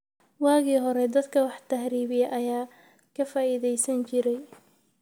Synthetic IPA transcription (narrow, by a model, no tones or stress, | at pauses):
wɑːɣiːɦɔɾɛd̪ɐd̪kʰɐwɑħt̪ʰɐhɾiːβɪjɐʔɐjaː | kʰɐfaːiðɛjsɐnt͡ʃɪɾɛj